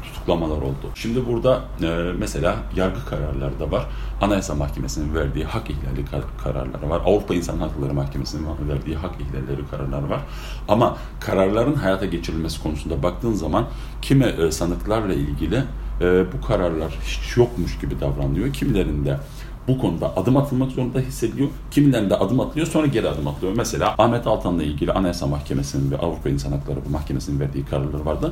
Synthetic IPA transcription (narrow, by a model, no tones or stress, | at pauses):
t̪ʰu̥t̪ʰu̥klˠamalˠaɾo̞̰lˠd̪uʃimd̪ibuɾd̪aː | mɛse̞lʲaːjaɾɡɯkʰaɾaɾlˠaɾɯd̪avaɾ̥anajasamahcʰe̞me̞sininvæɾd̪iːhakiçlʲællʲikʰkʰa̰ɾa̰ɾlˠa̰ɾɯvaɾʔa̰vɾupʰainsa̰nɦak̪ˠɯlˠaɾɯmahcʰeme̞sininvæɾd̪iːɦakiçlʲæ̰llʲeɾikʰaɾa̰ɾlˠaɾɯvaɾ̥ | ama | kʰaɾaɾlˠaɾɯnɦajaːt̪ʰaɟe̞t͡ʃʰiɾilʲme̞si̥kʰo̞nusund̪abak̚t̪ʰɯːnzaman | cʰimiʔsanɯklˠaɾlˠailʲɟilʲi | bukʰaɾaɾlˠaɾ̥hit͡ʃʰjo̞kmuʃɟibid̪avɾa̰nlˠɯjo̞cʰimlʲe̞ɾind̪ɛ | bukʰo̞nud̪a̰ʔad̪ɯmat̪ʰɯlˠmakzo̞ɾund̪aɦisːed̪ilʲijo | cʰimilʲeɾind̪ɛʔad̪ɯmat̪ʰlˠɯjo̞so̞nɾaɟe̞ɾɛad̪ɯmat̪ʰlˠɯjo̞mɛse̞lʲa̰ːʔaːmɛt̪ʰalˠt̪ʰanlˠa̰ilʲɟilʲiʔanajasamaxcʰe̞me̞sininvɛ̰ʔa̰vɾupʰainsanhaklˠa̰ɾɯbumaxcʰeme̞sininvæɾd̪iːkʰaɾaɾlˠaɾɯvaɾd̪ɯ